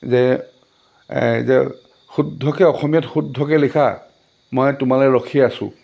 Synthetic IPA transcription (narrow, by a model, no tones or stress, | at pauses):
zɛ | zɛ | xudʱːɔkɛɔxɔmijɔtxudʱːɔkɛlikʰa | mojtʊmalɛɹɔkʰiasʊ̰̃